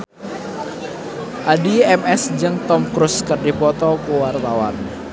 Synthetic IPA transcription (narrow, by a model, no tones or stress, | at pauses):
ʔadiɛmɛsd͡ʒəŋt̪ɔmkɾʊskərdipɔt̪ɔkuwart̪awa̰n